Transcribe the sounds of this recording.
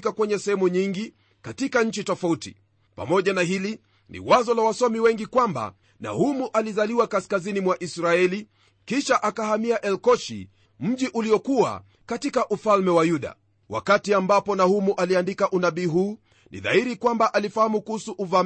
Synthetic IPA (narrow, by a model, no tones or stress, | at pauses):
kakwɛɲɛsɛhɛmuɲiŋɡi | katikaɲ̩t͡ʃitɔfautḭ | pa̰mɔʄanaɦili | nḭwazɔlawasɔmiwɛŋɡikwamba̰ | na̰humuʔalizaliwakaskazinimwaʔisɾaɛli | kiʃaʔakahamiaʔɛlkɔʃḭ | m̩ʄiʔuliɔkua̰ | katikaʔufalmɛwajuɗa̰ | wa̰katiambapɔnahumuʔaliandikaʔunaɓiːɦuː | nʔḭða̰iɾikwambaʔalifahamukuhusuʔːva